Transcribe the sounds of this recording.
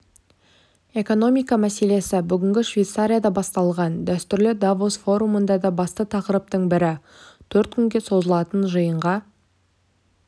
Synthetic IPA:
e̞ko̞no̞mijkɑmæse̞le̞sɪbʏɡʲɪŋɡʲɪʃvʲejt̪saɾʲijad̪ɑbɑst̪ɑlˠʁɑnd̪æst̪ʏɾlɪd̪avosfo̞ɾumənd̪ɑd̪ɑbɑst̪ət̪ʰɑqəɾəp̚t̪əɴbɪɾɪ | t̪ʰɵɾt̪̚kʲʰʏŋɡʲe̞so̞zəlˠɑt̪ənʒəjəɴʁɑ

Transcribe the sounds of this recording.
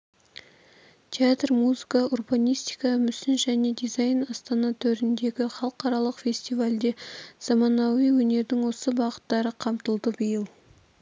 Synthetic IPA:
t̪ʲʰeat̪rmuzɨkɑurbɑnijst̪ijkɑmʏsɪnʒæne̞d̪ijzɑjnɑst̪ɑnɑt̪ʰɵɾɪnd̪e̞ɡʲɪχɑlˠəqɑɾɑlˠəqfʲe̞sʲt̪ijvalʲd̪e̞z̥ɑmɑnɑwijwɵne̞ɾd̪ɪŋwo̞səbɑqə̥t̪ːɑɾəqʰɑmt̪əlˠd̪əbəjəlˠ

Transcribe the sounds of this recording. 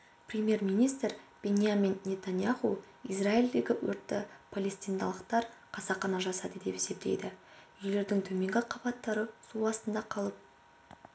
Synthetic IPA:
prʲemʲje̞rmʲijnijst̪rb̥e̞nʲijamʲinnʲe̞t̪anjaχu | izraild̪e̞ɡʲɪwɵ̰ɾt̪ːɪpʰalʲe̞st̪ijnd̪ɑ̰lˠəqt̪ɑɾqʰɑsɑχɑnɑʒɑsɑd̪əd̪e̞pese̞p̚t̪e̞̰jd̪ɪ | ʏjle̞ɾd̪ɪŋt̪ʰɵmeŋɡʲɪqʰɑbɑt̪ːɑɾəsuɑst̪ənd̪ɑqʰɑlˠəp̚

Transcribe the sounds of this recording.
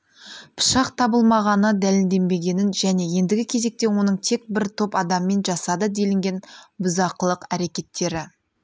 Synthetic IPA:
pʰʊ̥ʃɑqt̪ʰɑbəlˠmɑʁɑnəd̪ælɪld̪e̞mbe̞ɡʲe̞nɪnʒæne̞je̞nd̪ɪɡʲɪkʲʰe̞ze̞k̚t̪e̞wo̞nəɴt̪ʰe̞k̚bɪɾt̪ʰo̞pɑd̪ɑmːe̞nʒɑsɑd̪əd̪e̞lɪŋɡʲe̞nbʊzɑqəlˠəqæɾe̞kʲe̞t̪ʰːe̞ɾɪ

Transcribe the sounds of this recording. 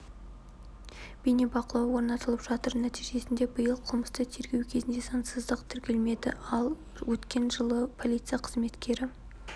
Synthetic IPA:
b̥ejnebɑqəlˠɑwwo̞ɾnɑt̪əlˠəpʒ̥ɑt̪əɾnæt̪ijʒe̞sɪnd̪ebəjəlˠqʰəlˠməst̪ət̪ʰe̞ɾɡʲe̞wkʲʰe̞zɪnd̪esɑnsəzd̪əqt̪ʰʏɾkʲe̞lme̞d̪ɪ̰ɑlˠ | wɵt̪kʲe̞nʒəlˠəpʰo̞lʲˠijt̪sɨjaqʰəzme̞t̪kʲʰe̞ɾɪ

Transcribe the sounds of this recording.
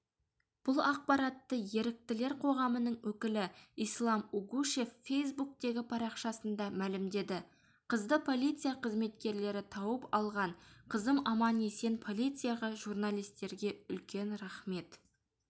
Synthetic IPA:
b̥ʊlˠɑq̚pɑɾɑt̪ːəje̞ɾɪk̚t̪ɪle̞ɾqʰo̞ʁɑmənəɴwɵkʲɪlɪijslˠɑmuɡuʃe̞ffe̞js̬buk̚t̪e̞ɡʲɪpʰɑɾɑqʃɑsənd̪ɑmælɪmd̪e̞d̪ɪ | qʰəzd̪əpʰo̞lʲˠijt̪sɨijaqʰəzme̞t̪kʲe̞ɾle̞ɾɪt̪ʰɑwəpɑlˠʁɑɴqʰəzəmɑmɑnesenpʰo̞lˠijt̪sɨjaʁɑʒurnalˠijst̪e̞ɾɡʲe̞ʏlkʲe̞nɾɑχme̞t̪

